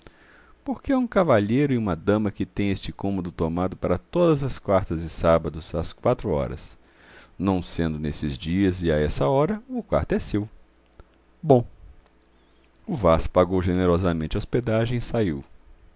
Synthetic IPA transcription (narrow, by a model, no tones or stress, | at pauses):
poɾkeɛũkavaʎejɾʊɪũmɐd̪ɐ̃mɐkɪt̪ẽj̃est͡ʃɪkõmod̪ʊt̪omad̪ʊpaɾɐt̪od̪ɐzɐskwaɾt̪ɐzɪsabɐd̪ʊzaskwat̪ɾʊɔ̰ɾɐ̰s | nɐ̃w̃sẽnd̪ʊnesɪzd͡ʒiɐzɪaɛsɐɔɾɐʊkwa̰ɾt̪ɛsew | bõ | ʊvaspaɡowʒeneɾɔzɐmẽnt͡ʃɐosped̪aʒẽj̃saiw